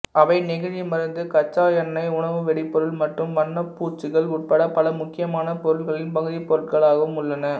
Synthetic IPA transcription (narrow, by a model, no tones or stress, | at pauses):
ɐʋɐɪnɪɣɐimɐɾɯnd̪ɯkɐt͡ʃːaːjɐnɐɪʊɳɐʋɯʋɛɽɪpːɔɾɯɭmɐʈrɯmʋɐnːɐpːuːt͡ʃːɯɣɐɭʊʈ̚pɐɽɐpɐlɐmʊkːɪjɐmaːnɐpɔɾɯɭɣɐɭɪnpɐɣɯðipɔɾɯɭɣɐɭaːɣɐʋɯmʊɭːɐnɐ